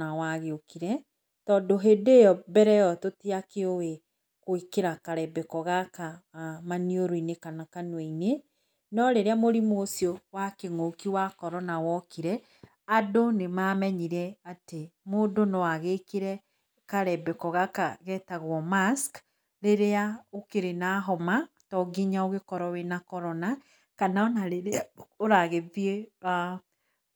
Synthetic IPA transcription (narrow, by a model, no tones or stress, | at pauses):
awaɣeokiɾɛ | tɔːndoɦeːdeːjɔbɛɾɛjɔtotiakeowe | koikeɾakaɾɛbɛkɔɣakamanioɾoinekanakanwɛine | nɔɾeɾeamoɾimoosjowakeŋokiwakɔɾɔnawɔkiɾɛ | adonemamɛɲiɾɛatemoːdonɔwaɣekiɾɛ | kaɾɛbɛkɔɣakaɣɛtaɣwɔmask | ɾeɾeaokeɾenaɦɔmatɔɡiɲaoɣekɔɾɔwenakɔɾɔna | kanaɔnaɾeɾeoɾaɣeðiea